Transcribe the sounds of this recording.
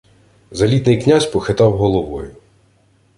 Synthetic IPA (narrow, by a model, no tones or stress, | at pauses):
zɐlʲit̪nɪjknʲasʲpɔxɪt̪ɑwɦɔlˠɔʋɔ̰jʊ